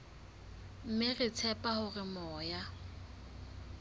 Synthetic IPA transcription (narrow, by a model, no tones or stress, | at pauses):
m̩mɪrɪt͡sʰɛpʼahʊrɪmɔːja